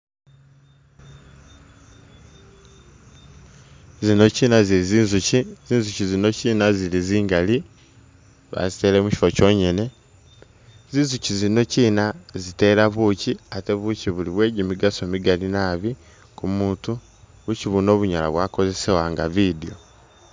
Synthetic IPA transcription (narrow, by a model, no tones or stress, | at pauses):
zino̞ciːnaziiziːnzuciziːnzucizino̞ciːnaziliziːŋɡali | βa̰zite̞ːɾemuci̥foco̞ːɲene̞ | zinzucizino̞ciːnazite̞ɾaβuciate̞βuciβuliβwe̞ːɟimiɡaso̞miɡalinaβi | kumuːtu | βuciβuno̞ːβuɲala̰βwaːko̞ze̞sewaːŋɡa̰βidio